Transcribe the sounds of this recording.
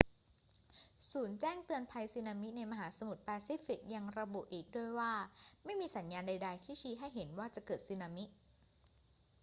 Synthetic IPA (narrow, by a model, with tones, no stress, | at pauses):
suː˩˦nt͡ɕɛː˥˩ŋt̪ɯ˧ənpʰa˧jsiː˧naː˧mi˦˥na˧jma˧ɦaː˩˦sa˧mu˨˩t̪̚pɛː˧si˦˥fi˨˩k̚ja˧ŋɾa˧bu˨˩ʔiː˨˩k̚du˥˩əjwaː˥˩ma˥˩jmiː˧sa˩˦njaː˧nda˧jda˧jt̪ʰiː˥˩t͡ɕʰiː˦˥ɦa˥˩jɦe˩˦nwaː˥˩t͡ɕa˨˩ʔkɤː˨˩t̪̚sɯː˧naː˧mi˦˥ʔ